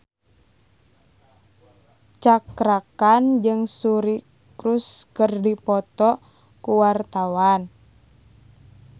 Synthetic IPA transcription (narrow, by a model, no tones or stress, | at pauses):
t͡ʃakɾakand͡ʒɨŋsuɾi | kɾuskərdipɔt̪ɔ | kuwart̪awan